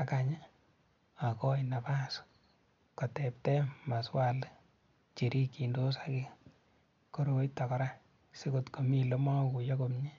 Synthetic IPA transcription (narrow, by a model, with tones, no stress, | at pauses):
a˨ka˨ɲe˦ | a˨kɔ˦ina˨pa˦s | ko˨tɛ˨p̚tɛ˦ma˨swa˦l | t͡ʃi˨ɾi˦ki˨ndo˦sakɪ˦ | ko˨ɾo˨˦tɔ˨kɔ˦ɾa˦ | si˦ko˦tko˨mi˦lo˦ma˦ku˨jo˦ko˨mɲi˦